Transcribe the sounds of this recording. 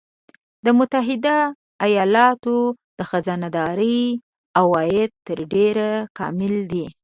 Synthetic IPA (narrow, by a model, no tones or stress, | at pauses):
d̪əmʊt̪aɦɪd̪a | ajɑlɑt̪o | d̪̥əxazanad̪ɑɾəj | awɑjɪd̪̚t̪ːəɾɖeɾakɑ̰mɪld̪i